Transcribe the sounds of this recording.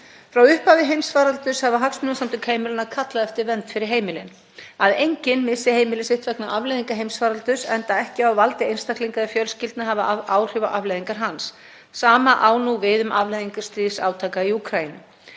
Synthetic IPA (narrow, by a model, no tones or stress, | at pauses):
fɾawʏhphavɪɦejmsfaːɾalt̪ʏshavaɦaksmʏnasamt̪ʏkʰheːjmɪlɪnaðkʰat̪laðɛft̪ɪɾvɛnt̪fɪɾɪɾ̥ɦeːjmɪlɪn | aðejɲcɪnmɪsɪheːjmɪlɪsɪht̪vɛknaʔavlajðiŋkaɦejmsfaːɾalt̪ʏsɛnt̪aɛhcɪawvalt̪ɪejnst̪akliŋkaðɪfjœlscɪlt̪naɦavaaːwr̥ʏvaʔavlajðiŋkaɾ̥ɦansː | aːmaʔaːwnuvɪðʏmavlajðiŋkaɾ̥st̪ɾiːsaːwt̪ʰaːkaiukʰɾainʏ